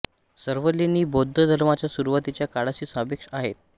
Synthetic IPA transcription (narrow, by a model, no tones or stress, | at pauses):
səɾʋəlːiniːbod̪ʱːəd̪ʱəɾmat͡ɕjasuɾuʋat̪it͡ɕjakaɽaɕiːsabekʂaɦet̪̚